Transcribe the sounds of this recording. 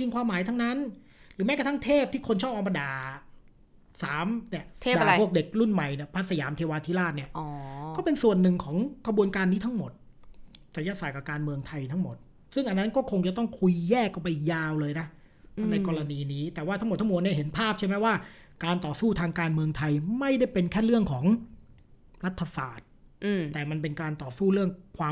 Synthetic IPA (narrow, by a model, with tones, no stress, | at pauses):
i˧ŋkʰwaː˧mːaː˨˦jt̪ʰa˦˥ŋna˦˥n | ɾɯː˩˦mɛ˦˥ka˥˩t̪ʰa˥ŋt̪ʰeː˥˩p̚t̪ʰiː˥˩kʰo˧nt͡ɕʰɔː˥˩p̚ʔa˧ma˧daː˨˩ | saː˩˦mni˦˥˩əsʰdːʰu˥˩ək̚de˨˩k̚ɾu˥˩nma˨˩jni˥˩pʰa˦˥sa˧jaː˩˦mt̪ʰeː˧waː˧t̪ʰiː˦˥laː˥˩t̪̚ni˥˩ɐʔɔ˨kkɔː˥˩pe˧nsu˨˩ənːɯ˨˩ŋkʰɔː˩˦ŋkʰɾa˧bu˧ənkaː˧nːiː˦˥t̪ʰa˦˥ŋmo˨˩t̪̚ | sa˨˩˦jaː˧˥˩saː˨˩ka˨˩pkaː˧nmɯ˧əŋt̪ʰa˧jt̪ʰa˦˥ŋmo˨˩t̪̚ | sɯ˥˩ŋʔa˧nːa˦˥nkɔː˥˩kʰo˧ŋt͡ɕa˨˩t̪ɔ˥˩ŋkʰu˧jːɛː˥˩kʰːa˥˩pa˧jːaː˧wlɤː˧jna˦˥ | tʰa˧mna˧kɔː˧ɾa˧niː˧niː˦˥t̪ɛː˨˩waː˥˩t̪ʰa˦˥m˨˩t̪ʰːa˦˥mo˨˩t̪ni˥˩ɦe˩˦npʰaː˥˩p̚t͡ɕʰa˥˩jma˥jwaː˥˩ | kaː˧nt̪ɔː˨˩suː˥˩t̪ʰaː˧ŋkaː˧nmɯ˧əŋt̪ʰa˧jma˥˩jda˥˩jpe˧nkʰɛː˥˩ɾɯ˥˩əŋkʰɔː˩˦ŋ | ɾa˦˥t̪ʰːa˧sa̰ː˨˩t̪̚ʔ̪ːɛː˨˩ma˧npe˧nkaː˧nt̪ɔː˨˩suː˥˩ɾɯ˥˩əŋkʰwaː˧